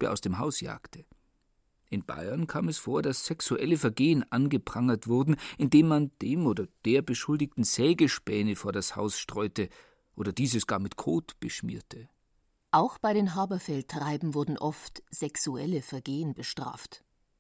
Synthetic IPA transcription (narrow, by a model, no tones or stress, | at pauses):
əʔa̰ʊsd̥eːmɦaʊsja̰ːktʰə | ʔɪnb̥a̰ɪɐnkʰaːmɛsfoːɐdasːɛksuʔɛləfɛɐɡeːənʔanɡəpʁ̥aŋɐtv̥ʊɐdn̩ʔɪndeːmːand̥eːmʔoːdɐd̥eːɐbəʃʊldɪçtn̩z̥ɛːɡəʃpɛːnəfoːɐdasha̰ʊsʃtʁ̥ɔʏtə | ʔoːdɐd̥iːzəsɡ̥aːɐmɪtkʰoːtb̥əʃmḭːɐtʰə | ʔaʊxb̥aɪɾeːnɦaːbɐfɛltʁ̥aɪbm̩vʊɐdn̩ʔɔftz̥ɛksuɛ̰ləfɛɐɡeːənbəʃtʁ̥a̰ːft